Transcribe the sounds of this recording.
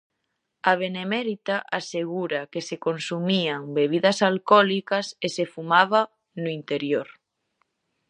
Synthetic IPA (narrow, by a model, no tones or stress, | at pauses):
aβ̞enemɛɾit̪aʔaseɣuɾɐkesekonsumiaŋbeβ̞iðɐsalkɔlikɐsesefumaβɐ | nʊint̪eɾjoɾ